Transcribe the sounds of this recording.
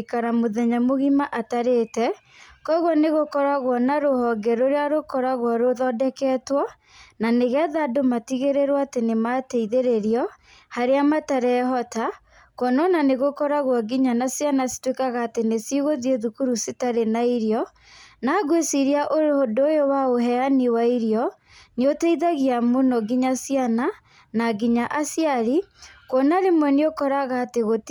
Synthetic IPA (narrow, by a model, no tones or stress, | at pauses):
kaɾamoðɛɲamoɣimaʔataɾeːtɛ | kɔɣwɔneɣokɔɾaɣwɔnaɾohɔɡɛɾoɾeaɾokɔɾaɣwɔɾoðɔdɛkɛːtwɔ | naneɣɛðadomatiɣeɾeɾwɔatenematɛiðeɾeɾiɔ | haɾeamataɾɛɦɔta | kɔnɔnaneɣokɔɾaɣwaɡiɲanasjanasi̥twekaɣaːtenesiɣoðieðukuɾusitaɾenaiɾjɔ | naɡwesiɾiaʔoɾodojowaoɦɛaniwaiɾijɔ | neotɛiðaɣiamonɔɡiɲasjana | naɡiɲaʔasjaɾikonaɾemwɛneokɔɾaɣaːteɣot